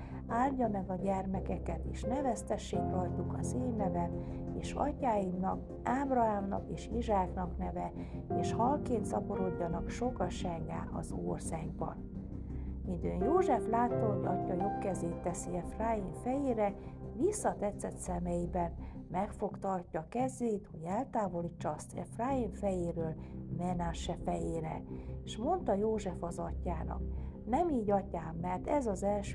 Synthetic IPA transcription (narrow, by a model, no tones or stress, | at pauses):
aːlɟɒmɛɡɒɟɛrmɛkɛkɛt̪eːʃnɛvɛst̪ɛʃːeːk̚t̪ɒrt̪ukɒ̰zeːnːɛvɛneːʃɒ̰cːaːjimnɒk | aːbrɒɦaːmnɒ̰keːʃiʒaːknɒknɛvɛ | eːʃhɒlkeːnt̪sɒpoɾo̞ɟːɒnɒkʃo̞kɒʃɛŋɡa̰ːʔɒ̰zo̰ːrsaːɡ̚bɒ̰n | mind̪øːnjoːʒɛflaːt̪ːonɒ̰cːɒjokːɛzeːt̪ːɛsiɛfraːjiɱfɛjeːɾɛvisːɒt̪ɛt̪sːɛt̪sɛmɛjibɛnmɛkfo̞kt̪ɒrcːɒkɛzːeːt̪ho̞ɟɛlt̪aːvo̞liːt͡ʃːɒɒst̪ʰɛ̰fraːiɱfɛjeːɾøːlmɛnaːʃɛfɛjeːɾɛ̰eʃmo̞nt̪ɒjoːʒɛfɒzɒcːaːnɒ̰knɛmiːɟɒcaːmːɛrt̪ɛzɒzɛlʃ